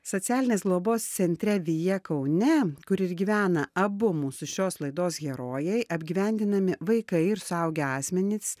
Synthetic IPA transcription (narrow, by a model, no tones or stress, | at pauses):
soːt̪sʲæːlʲɪnʲeːsɡlˠoːboːst̪sʲɛnʲt̪ʲɾʲɛʋʲɪjɛkɐʊnʲɛkʊɾɪɾɡʲiʋʲæːnɐɐbʊmusʊʃʲoːslˠɐɪd̪oːsɡʲɛɾoːjɛɪʔɐbʲɡʲiːʋʲɛˑnʲd̪ʲɪnɐmʲɪʋɐɪkɐɪɪɾsʊɐʊɡʲɛɑːsʲmʲɛnʲɪs